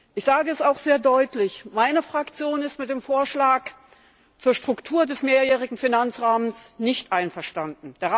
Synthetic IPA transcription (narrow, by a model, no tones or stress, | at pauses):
ʔɪçz̥aːɡəɛsaʊxz̥eːɐdɔʏtlɪçmaɪnəfʁ̥akt͡sjoːnɪstmɪt̚d̥eːmfoːɐʃlaːk | t͡suːɐʃtʁ̥ʊktʰuːɐdɛsmeːɐjɛːʁ̞ɪɡŋ̩finant͡sʁaːmənsnɪçtʔaɪnfɛɐʃtandn̩d̥eːɐ